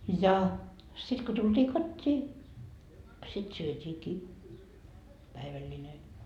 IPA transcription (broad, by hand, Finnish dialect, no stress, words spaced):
jɑ sit ko tultiː kotʲːiː sit syøtʲiːkiː pæiʋælʲːine